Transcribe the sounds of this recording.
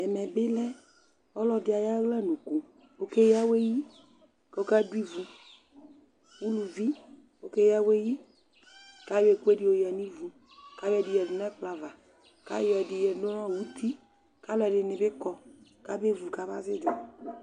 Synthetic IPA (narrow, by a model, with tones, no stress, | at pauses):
ɛ˨mɛ̃˨be˦lɛ˦ | ɔ˦lɔ˦dɪ˨a˨ja˦ɣlɛ˦nũ˨ku˨ | wo˦ke˦ja˦we˦ji˦ | ko˦ka˦du˦i˦vu˨ | wu˦lu˨vi˦ | wo˦ke˦ja˦we˦ji˦ | ka˦je˨ku˦e˦di˦˨wo˨ja˨nĩ˦vu˨ | ka˦wɛ˨di˨jɛ˨du˨na˦k͡pla˨va˨ | ka̰˦jɛ˨di˨jɛ˨do˦nɔ̃˦˨wu˦t̪ʰi˦ | ka˦lɔ˦ɛ˨ɖɪ˨nɪ̃˨be˦kɔ˦ka˦be˦vu˨ka˦ba˦zɪ˦d͡ʒɔ˨